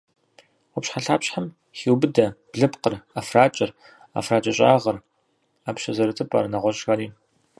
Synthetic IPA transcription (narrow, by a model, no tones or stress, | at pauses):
ɔpɕħaɬaːpɕħam | xiːwbɨdɐbɮɨpqərafraːt͡ʃʼɪr | a̰fraːt͡ʃʼɐɕʼa̰ːʁɐr | aːpɕɐzɐɾɨtʰɨpʼa̰ːɾɐnɐʁʷɔɕʼxaɾiː